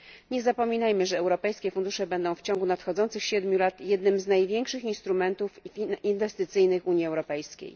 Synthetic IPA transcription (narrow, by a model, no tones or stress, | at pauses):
ɲɛzapɔmʲinajmɘʐɛːwɾɔpɛjskʲɛfund̪uʂɛbɛnd̪ɔ̃w̃ft͡ɕɔ̃ŋɡunat̪xɔd̪zɔnt̪sɘxɕɛd̪mʲjulat̪jɛd̪nɘmznajvʲjɛŋkʂɘxinst̪ɾumɛnt̪ufinvɛst̪ɘt̪sɘjnɘxuɲjiɛwɾɔpɛjskʲḛj